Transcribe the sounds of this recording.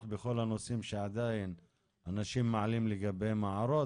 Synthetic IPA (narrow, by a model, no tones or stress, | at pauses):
bexo̞lhanosimʃeʕad̪ain | anaʃimːaʕalimleɡabe̞jmaʕaɾo̞